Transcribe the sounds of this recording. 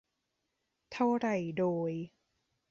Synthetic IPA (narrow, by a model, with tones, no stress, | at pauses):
t̪ʰa˥˩wɾa˥˩jdoː˧j